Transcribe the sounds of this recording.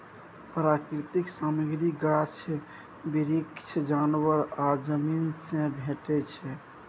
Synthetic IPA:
pɾakɾit̪iksaməɡɾiɡat͡ʃʰɛ | biɾikt͡ʃʰd͡ʒanwəɾad͡ʒəminsẽbʱeʈɛt͡ʃʰɛ

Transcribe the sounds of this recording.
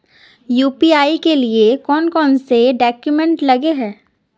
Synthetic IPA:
juːpiaːikeliekɔːnkɔːnseɖɔːkjumɛ̃ɳʈlɐɡeɦɛː

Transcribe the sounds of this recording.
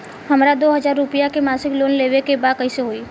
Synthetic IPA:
ɦəmɾad̪oːɦəd͡ʒaːɾːʊpijakemaːsɪkloːnleʋekebad̪̚kəɪseɦoiː

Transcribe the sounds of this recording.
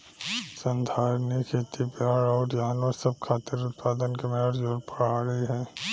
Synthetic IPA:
sɐ̃nd̪ʱaːɾnikʰeːt̪ipjaːɾɔːɾjaːnʋəɾsɐb̚kʰaːt̪ɪɾʊt̪̚paːd̪ənkemeəɾd͡ʒoːɾpɐɽaːɾəiɦɛ̃ː

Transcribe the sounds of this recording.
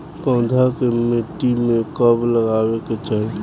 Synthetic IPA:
pə̃ʊd̪ʱakemeʈːimekəbləɡaweket͡ʃaːɦi

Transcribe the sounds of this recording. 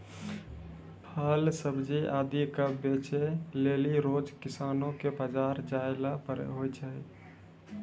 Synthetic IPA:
pʰəlsəbd͡ʒiʔaːd̪ikabet͡ʃeleːliɾoːd͡ʒkɪsaːnõkebəd͡ʒaːɾd͡ʒaelapəɾ̰ɦojt͡ʃʰəi

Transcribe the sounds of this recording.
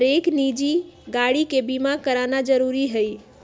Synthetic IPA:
ɾeknid͡ʒiɡaɽikebimakəɾanad͡ʒəɾuɾiɦəj

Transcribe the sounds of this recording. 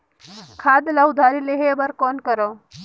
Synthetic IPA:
kʰaːd̪laud̪ʱaːɾileɦeːbɐɾkoːnkəɾoː

